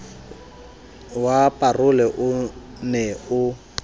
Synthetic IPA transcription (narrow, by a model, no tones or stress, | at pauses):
wapʼarʊlɛʔʊ | nɛʊ